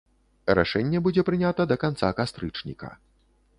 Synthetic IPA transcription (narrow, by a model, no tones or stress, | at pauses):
ɾa̰ʂɛnʲːɛbud͡zʲɛpɾɨnʲat̪ɐd̪ɐkant̪sa̰kast̪ɾɨt͡ʂnʲḭkɐ̰